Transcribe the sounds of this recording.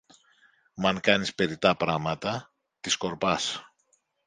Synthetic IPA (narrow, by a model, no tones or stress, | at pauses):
mɐŋkɐnispe̞ɾit̪ɐpɾɐɣmɐt̪ɐ | t̪isko̞ɾpɐs